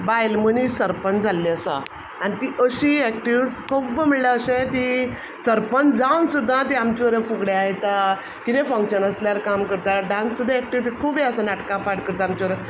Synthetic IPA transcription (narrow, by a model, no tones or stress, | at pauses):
bajlmənisəɾpənd͡zʱalːeəsa̰ | anit̪iʔəɕiɛk̚ʈiʋt͡skʰubəməɭlaəɕẽt̪i | səɾpənd͡zawnsud̪ʱːãt̪̬iamt͡ɕiʋɾə̃fuɡɽeaɦet̪a | kit̪ẽfə̃ŋkɕənəsljaɾkamkəɾt̪aɖãnsːud̪ʱãɛk̚ʈiʋt̪ikʰubĩəsanaʈkãpaʈkəɾt̪aamt͡ɕiʋəɾə